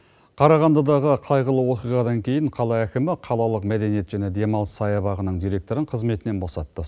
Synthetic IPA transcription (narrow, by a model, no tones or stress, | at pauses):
qʰɑɾɑʁɑnd̪ɑd̪ɑʁəqʰɑjʁəlˠəwo̞qijʁɑd̪ɑŋkʲʰe̞jɪɴqʰɑlˠɑækʲɪmɪqʰɑlˠɑlˠəqmæd̪e̞nije̞t̪ʒ̥æne̞d̪e̞mɑlˠsɑjɑbɑʁənəɴd̪ijɾe̞k̚t̪o̞ɾəɴqʰəzme̞t̪ɪne̞nbo̞sɑt̪ːə